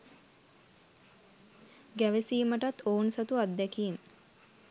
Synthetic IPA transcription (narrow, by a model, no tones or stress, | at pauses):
ɡæʋesiːməʈat̪ʰoːnsat̪uad̪d̪ɛkiːn